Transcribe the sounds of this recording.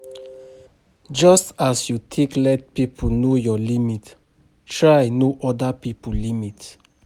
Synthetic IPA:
d͡ʒɔstasjutʰeklɛt̚pipʰənojɔlimit | tɹajnoʔɔdapipəlimit

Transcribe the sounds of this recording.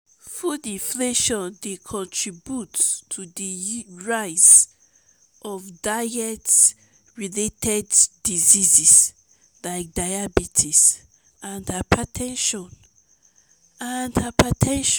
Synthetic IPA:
fudĩɱfleʃɔ̃ndekʰɔ̃ntʰɹibjutʰːudiɹaɪs | ʔɔvdaɛts | ɹiletʰɛdːizizis | laɪk̚d̥aɪabitʰis | ʔãndhapʰatʰɛ̃nʃɔ̃n | andhapatʰɛ̃nʃ

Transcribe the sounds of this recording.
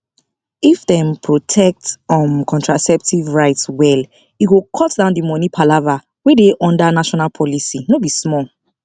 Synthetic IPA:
ifdɛ̃mpʰɹotʰɛk̚tɔ̃mkʰɔ̃ntɹasɛp̚tʰivɹaɪtswɛl | iɡokʰɔtdãʊ̃ndimɔ̃nipʰalava | wedeʔɔ̃ndanaʃɔnalpʰɔlisinobismɔl

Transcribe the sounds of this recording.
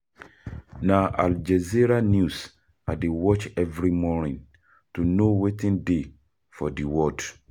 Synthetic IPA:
nãʔa̰ld͡ʒɛziɾanjus | adewɔt͡ʃɛvɾimɔnĩn | tunowetĩnde | fɔ̰diwɔd

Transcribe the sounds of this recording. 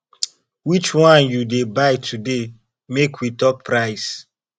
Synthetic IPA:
wit͡ʃwãnjudebaɪtʰude | mekwitɔpːɾaɪs

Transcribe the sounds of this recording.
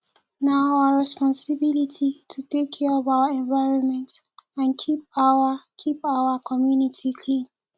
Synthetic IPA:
naaɹɛspɔ̃nsibilitʰitʰutekʰːɛɔvaʊaɛ̃ɱvaɪɹɔ̃nmɛ̃nt | ãnkʰip̚awakʰipaʊakʰɔmjunitʰikʰlĩn

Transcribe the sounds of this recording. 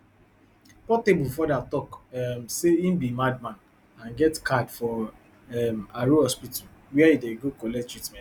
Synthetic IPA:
pɔtebufɔdatɔkmseĩm̩bimad̚mãn | ãnɡɛtkadfɔ | ɛmaɾuɔspital | wɛɛideɡokɔlɛktɹitmɛ̃

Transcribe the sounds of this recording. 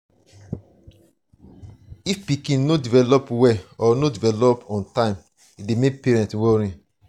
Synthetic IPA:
ifpikĩnnodivɛlɔpwɛɔnodivɛlɔpɔ̃ntãɪ̃m | idemek̚peɹɛ̃ntwɔɹĩ

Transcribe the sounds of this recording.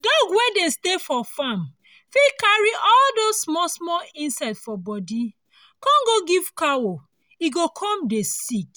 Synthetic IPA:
dɔ̃ɡwedestefɔfãm | fikaɹiʔɔldosmɔsmɔlĩnsɛtfɔbɔdi | kãnɡoɡiv̥kawo | iɡokʰɔ̃mdesik

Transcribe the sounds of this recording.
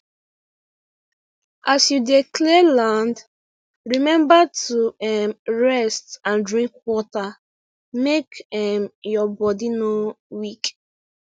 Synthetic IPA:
asjudeklelãnd | ɹimɛ̃mbatuɛmɹɛstãndɹĩŋkwɔta | mekɛmjɔbɔdinowik

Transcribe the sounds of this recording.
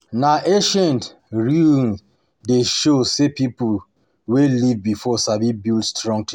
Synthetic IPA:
naʔeʃãnt | ɹin | deʃosepipu | welivbifɔsabibildstɹɔ̃ŋtʰ

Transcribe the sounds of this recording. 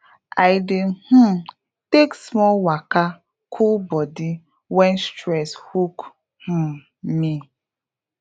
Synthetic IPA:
ajdeh̩m | teksmɔlwaka | kʰulbɔdi | wɛnstɾɛshuk | h̩ | mi

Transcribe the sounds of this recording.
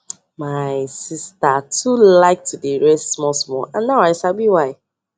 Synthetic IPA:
maɪsistatʰulaɪk̚tʰudiɹɛstmɔsmɔ̰ʔãnnaaɪsabiwaɪ

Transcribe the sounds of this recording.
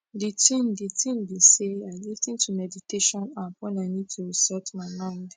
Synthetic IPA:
ditʰĩmditʰĩmbisealitĩntʰumɛditeʃɔ̃napɔ̃nanitʰuɹisɔtmaɪmãɪ̃nd

